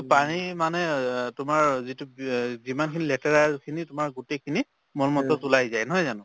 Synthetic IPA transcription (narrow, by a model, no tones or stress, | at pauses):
panimanɛtʊmaɹzituzimankʰinilɛtaɹaɹkʰinitʊmaɹɡutejkʰini | mɔlmɔtɔtulajzajnɔɦɔjzanʊ̃